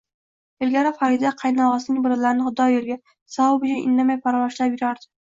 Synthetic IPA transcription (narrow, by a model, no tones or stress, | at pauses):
ɪlɡʲaɾafaɾɪd̪aqʰɑjnɒʁɑsɪnɪŋʲbʊɾɪlaɾɪnɪχʊd̪ɒjolˠɡʲa | sawʊbɪd͡ʒʲaʔɪ̰nːamajpʰaɾawɒʃlapjʊɾaɾd̪ɪ̥